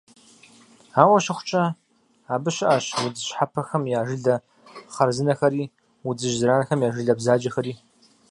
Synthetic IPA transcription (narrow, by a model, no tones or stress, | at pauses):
aːwɐɕɐχʷʊ̥t͡ʃʼɐ | aːbɨɕɐʔaɕwud͡zɨɕħapʰɐxɐmjaːʒɪɮɐ | χɐrzɨnɐxɐɾiː | wud͡zɨʒzɨɾaːnɐxɐmjaːʒɨɮɐbzaːd͡ʒɐxɐɾiː